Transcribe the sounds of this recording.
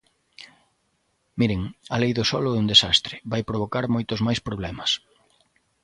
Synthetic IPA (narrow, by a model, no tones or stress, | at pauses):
miɾɪŋɐlejðʊsɔlʊɛund̪esast̪ɾɪβajpɾoβ̞okaɾmojt̪ʊzmajspɾoβlɛmɐs